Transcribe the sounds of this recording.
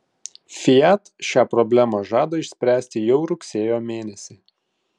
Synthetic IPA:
fʲɪæt̪ʃʲɑːpɾɔbʲlʲæmɐʒɑːd̪oːɪʃʲsʲpʲɾʲæːsʲt̪ʲɪjɛʊɾʊksʲeːjoːmʲeːnʲɛsʲɪ

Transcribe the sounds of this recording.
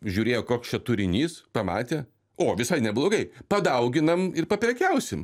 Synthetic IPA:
ʒʲuːɾʲeːjoːkoːkst͡ʃʲɛt̪ʊɾʲɪnʲiːspɐmɑ̰ːt̪ʲeː | oːʋʲɪsɐɪnʲɛblˠoːɡɐɪpɐd̪ɐʊɡʲɪnɐmɪrpɐpʲɾʲɛkʲɛʊsʲɪm

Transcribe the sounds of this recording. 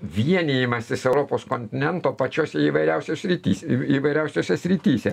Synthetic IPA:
ʋʲiɛnʲeːjɪmɐsʲɪsɛʊɾoːpoːskonʲt̪ʲɪnʲɛnt̪oːpɐt͡ʃʲoːsʲɛiːʋɐɪɾʲɛʊsʲoːsʲɾʲit̪ʲḭːsʲiːʋɐɪɾʲɛʊsʲoːsʲɛsʲɾʲɪt̪ʲiːsʲɛ

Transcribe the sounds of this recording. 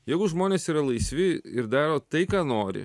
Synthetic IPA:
jɛɪɡʊʒmoːnʲeːsiːɾɐlˠɐɪsʲʋʲɪɪɾd̪ɑːɾoːt̪ɐɪkɑːnoːɾʲɪ̰

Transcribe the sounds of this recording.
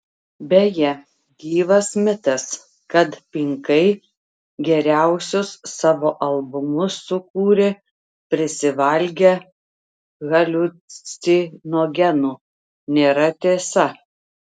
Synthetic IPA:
bʲɛjɛ | ɡʲiːʋɐsmʲɪt̪ɐs | kɐt̪pʲɪŋkɐɪ | ɡʲɛɾʲæˑʊsʲʊsːɑːʋoːʔɐlˠbʊmʊsːʊkuːɾʲɪ | pʲɾʲɪsʲɪʋɐlʲɡʲɛ | ɣɐlʲʊ | inoɡʲɛnuː | nʲeːɾɐt̪ʲeːsɐ

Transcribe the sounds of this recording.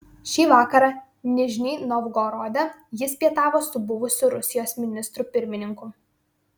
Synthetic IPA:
ʃʲiːʋɑːkɐɾɑ | nʲɪʒʲnʲinɔʋɡɔɾɔd̪ʲɛjɪspʲiɛt̪ɑːʋoːsʊbʊʋʊsʲʊɾʊsʲɪjoːsʲmʲɪnʲɪst̪ɾuːpʲɪɾʲmʲɪnʲɪŋku

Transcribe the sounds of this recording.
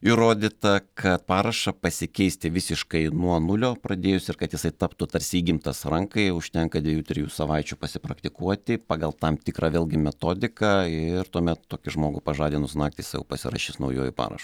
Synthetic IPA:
ɪɾoːd̪ʲɪt̪ɐkʰɐt̪̚pɑːɾɐʃɐpɐsʲɪkʲɛɪsʲt̪ʲɪʋʲɪsʲɪʃkɐɪnuɔnʊlʲoːpɾɐd̪ʲeːjʊsʲɪrkɐt̪jɪsɐɪt̪ɑːpt̪ʊt̪ɐɾʲsʲiːɡʲɪmt̪ɐsɾɐŋkɐɪʊʃʲt̪ʲɛŋkɐd̪ʲʋʲɛjuːt̪ʲɾʲɪjuːsɐʋɐɪt͡ʃʲʊpɐsʲɪpɾɐkt̪ʲɪkuɔt̪ʲɪpɑːɡɐlˠt̪ɐmt̪ʲɪkɾɑːʋʲeːlʲɡʲɪmʲɛt̪oːd̪ʲɪkɑɪrt̪uɔmʲɛt̪t̪oːkʲɪʒmoːɡʊpɐʒɑːd̪ʲɪnʊsnɑːkt̪ʲɪsjɛ̰ʊpɐsʲɪ̰ɾɐ̰ʃʲiːsnɐʊjoːjṵpɑ̰ːɾɐ̰ʃʊ

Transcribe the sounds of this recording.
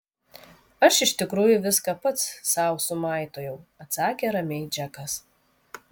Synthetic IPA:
ɐʃɪʃʲt̪ʲɪkɾuːjʊʋʲɪskɑpɐt̪ssɑˑʊsʊmɑˑɪt̪oːjɛʊɐt̪sɑːkʲeːɾɐmʲɛɪd͡ʒʲɛkɐs

